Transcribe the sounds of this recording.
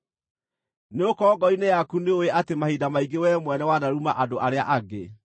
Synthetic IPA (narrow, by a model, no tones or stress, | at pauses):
neokɔːɡɔinejakuneoweʔatemahidamaiɡewɛmwɛnɛwanaɾumaʔadoʔaɾea̰ʔaɡḛ